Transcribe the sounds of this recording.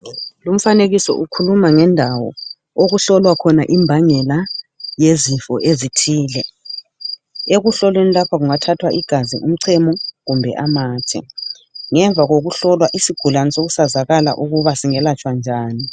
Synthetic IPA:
lum̩faneɣisɔ̰ʔukʰulumaŋɛndʱawɔ̰ | oɣuɬɔlwakʰɔnaʔimbʱaŋɛlajezifɔ̰ʔezitʰiːlɛ | eɣuɬɔlwenilapʰaɣuŋatʰatʰwaʔiɡ̥ʱazḭʔum̩ǀʰɛmɔɣumbʱɛ̰ʔamaːtʰɛ̰ | ŋɛɱvʱaɣoɣuɬɔlwaʔisiɡ̥ʱulanɛsoɣusazaɣala̰ʔuɣuβasiŋɛlat͡ʃʰʼwand͡ʒʱaːni

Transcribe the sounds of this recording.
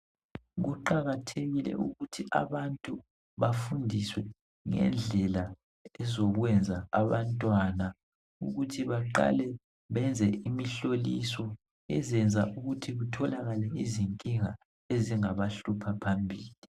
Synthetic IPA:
ɣuǃaɣatʰeɣilɛ̰ʔuɣutʰiʔa̰βantʼu | βafundʱiswɛ | ŋɛ̰nd͡ɮʱɛla | ɛzɔɣwɛnd͡zʱaaβantʼwana | ṵɣutʰiβaǃa̰lɛ | βɛnd͡zʱɛimiɬolisɔ | ɛzɛnd͡zʱaʔuɣutʰiɣutʰɔlaɣalɛiziŋkʼiŋa | eziŋaβaɬupʰapʰambʱiːli

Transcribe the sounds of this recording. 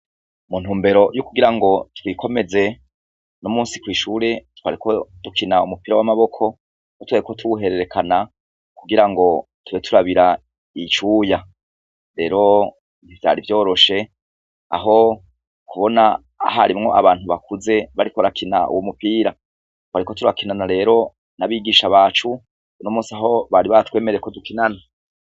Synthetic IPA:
mun̥huːmbe̞ɾo̞jukuɡiɾaŋɡo̞twiːkʰo̞me̞ze̞ | nomuːnsi̥kwiːʃuːɾe̞twaɾikotukʰinaumupiːɾawamaβo̞kʰo̞ | notwaɾikotʰuuɦe̞ɾe̞ɾe̞kʰana | kuɡiɾaŋɡo̞tuβe̞tʰuɾaβiɾa | it͡ʃuja | ɾe̞ːɾo̞ | n̥ivja̰ɾivjo̞ːɾo̞ʃe̞ | a̰ɦo̞ | kuβo̞na̰ː | ɦa̰ɾimŋo̞ʔa̰βaːn̥huβakuze̞βaɾikoɾakʰina̰ṵwomupiːɾa | waɾikotuɾakinanaɾe̞ːɾo̞ | naβiːɡiːʃaβaːt͡ʃu | unomuːsiaɦo̞βaɾiβatwe̞ːmeɾejekodukinana

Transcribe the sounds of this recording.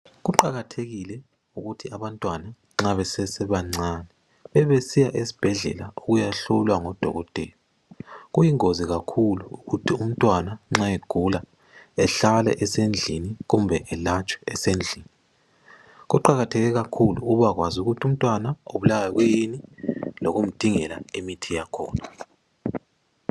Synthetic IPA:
ɣuǃaɣatʰeɣilɛ | uɣutʰiaβantʼwana | ŋ͡ǁaβɛsɛsɛβaŋ͡ǀanɛ | βɛβesijaʔesi̥b̥ʱɛɮɛ̰laoɣujaɬulwaŋɔd̥ʱɔ̰ɣɔtʼɛ̰ːlɔ | ɣujiŋoziɣakʰuluːɣutʰium̩tʼwanaŋ͡ǁaeɡ̥ʱula | ɛɬalɛ̰ʔɛsend͡ɮʱiniɣumbʱɛʔɛlat͡ʃʼwɛ̥ɛsend͡ɮʱiːni | ɣuǃaɣatʰɛɣɛɣakʰulṵuβaɣwazuɣutʰum̩tʼwanaoβulawaɣwejiniloɣum̩d̥ʱiŋɛla̰emitʰijakʰɔ̰ːna

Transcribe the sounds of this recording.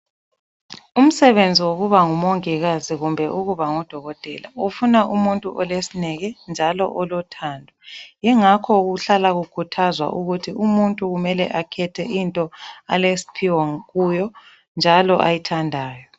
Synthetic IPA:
um̩sɛβend͡zʱiwoɣuβaŋumɔŋɛɣaziɣumbʱɛʔuɣuβaŋɔd̥ʱɔɣɔtʼɛla̰ufunaʔumuntʼuʔɔlesinɛɣɛnd͡ʒʱalɔ̰ʔɔlɔtʰaːndʱɔjɛŋakʰɔɣuɬalaɣukʰutʰazwa̰ʔuɣutʰiumuntʼuɣumɛlɛʔakʰɛtʰɛʔintʼɔalesi̥pʰiwɔɣujɔ | nd͡ʒʱalɔ̰ʔajitʰandʱaːjɔ

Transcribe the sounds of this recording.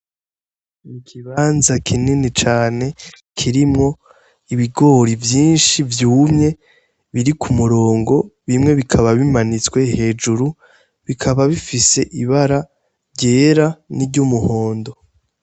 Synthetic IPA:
ikʰiβaːnzakʰininit͡ʃaːne̞ | kʰiɾimŋo̞ | iβiɡo̞ɾivjiːnʃivjuːmɲe̞ | βiɾikʰumuɾo̞ːŋɡo̞βimŋe̞βikʰaβaβimanit͡swe̞he̞ːd͡ʒuɾu | βikʰaβaβifise̞ʔiβaɾa | ɾɟe̞ːɾaniɾɟumuho̞ːndo̞

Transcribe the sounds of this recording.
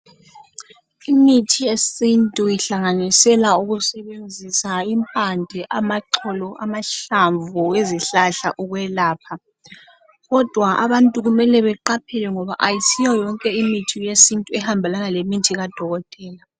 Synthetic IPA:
imitʰijesintʼuiɬaŋanisɛlauɣusɛβend͡zʱisaimpʼandʱɛʔamaǁʰɔlɔʔamaɬaɱvueziɬaɬa̰ʔuɣwɛlaːpʰa | ɣɔd̥ʱwaʔaβantʼuɣumɛlɛβɛǃapʰɛlɛŋɔβa̰ʔajisijɔjɔŋkʼɛimitʰijesintʼuɛhambʱalaŋalemitʰiɣad̥ʱɔɣɔtʼɛːla

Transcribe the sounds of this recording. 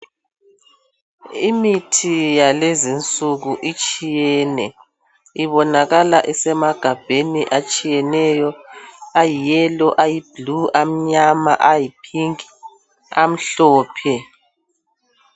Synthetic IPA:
imitʰijalezint͡sʼuɣuʔit͡ʃʼijɛnɛ | iβɔnaɣalaʔɛsɛmaɡ̥ʱab̥ʱeniʔat͡ʃʼijɛnɛjɔajijɛlɔʔajib̥luʔam̩ɲamaʔajipʰiŋi | am̩ɬɔːpʰɛ

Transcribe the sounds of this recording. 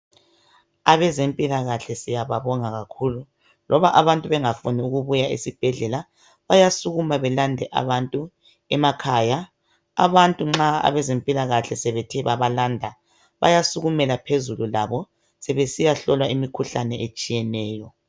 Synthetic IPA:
aβɛzempʼilaɣaɬɛsijaβaβɔŋaɣakʰuːlu | lʔɔβaʔaβantʼuβɛŋafuniuɣuβujaḭsib̥ʱɛɮɛla | βajasuɣumaβɛlandʱɛʔa̰βantʼu | ɛmakʰaːja | a̰βantʼuŋ͡ǁaa̰βɛzempʼilaɣaɬɛsɛβetʰɛβaβalaːndʱa | βa̰jasuɣumɛlapʰezululaβɔ | sɛβesijaɬɔlwaimikʰuɬanɛʔet͡ʃʼijɛnɛːjɔ

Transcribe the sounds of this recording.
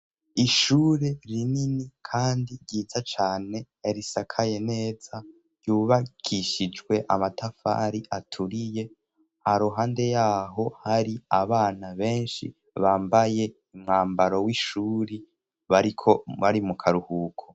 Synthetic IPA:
iʃuːɾeɾininikʰaːndiɾɟiːzat͡ʃaːne̞jaɾisakʰaje̞ne̞ːz̥a | ɾjuːβaɡ̥iʃid͡ʒɡwe̞ʔamatafa̰ɾiʔatʰuɾije̞ | haɾoɦaːnde̞jaːɦo̞haɾiaβaːnaβe̞ːnʃḭ | βaːmbaje̞ | umŋaːmbaɾo̞wiʃuɾi | βaɾikʰo̞βaɾimukʰaɾuhuːkʰo

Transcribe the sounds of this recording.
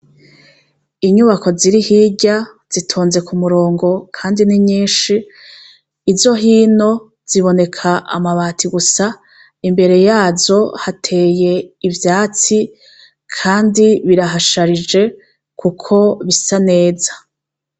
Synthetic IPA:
iɲuβako̞ziɾihiːɟa | z̥itʰoːnze̞kʰumuɾo̞ːŋɡo̞kʰaːndiniɲiːnʃiː | zo̞ɦiːno̞ | z̥iβo̞ne̞kʰaʔa̰maβaːtʰiɡusa | imbe̞ɾe̞jaːzo̞hatʰe̞je̞ivjaːt͡si | kʰaːndiβiɾaɦaʃaɾid͡ʒe̞ | kʰukʰo̞βisane̞ːzḁ

